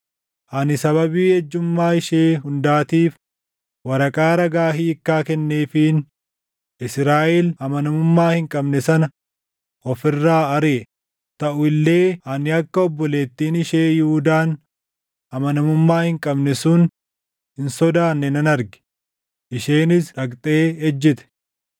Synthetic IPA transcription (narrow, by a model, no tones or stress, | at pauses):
ʔɐnɪsɐβɐbiːhɛd͡ʒːʊmːaːɪʃeːhʊnd̪aːt̪iːf | wɐɾɐkʼaːɾɐɡaːɦiːɪkːaːkɛnːeːfɪn | ɪsɾaːʔɛlɐmɐnɐmʊmːaːhɪŋkʼɐbnɛsɐnɐ | ɔfɪrːaːɐɾeː | t̪ɐʔʊɪlːe̞ːɐnɪɐkːɐɔbːɔle̞ːt̪ːiːnɪʃeːjɪhud̪aːn | ɐmɐnɐmʊmːaːhɪŋkʼɐbnɛsʊn | hɪnsɔd̪aːnːɛnɐnɐɾɡɛ̥ | ʔɪʃeːnɪsᶑɐkʼt̪ʼeːɛd͡ʒːɪt̪ɛ̥